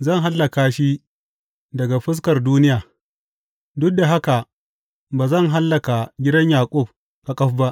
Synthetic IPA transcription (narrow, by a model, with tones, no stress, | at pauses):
zɐ˦˨ŋɦa˦lːɐ˨kaː˨ʃi˦ | dɐ˨ɡa˨ɸɪ˦s̬kɐ˨rduː˦nɪ˦jaː˨ | dʊ˦k̚da˨ɦa˦ka˨ | baː˨zɐ˦˨ŋɦa˦lːɐ˨ka˨ɡʲɪ˦dɐ˦ɲjaː˨kʷʼʊ˦˨p̚ | ka˨kʼɐ˦ɸba˦ʔ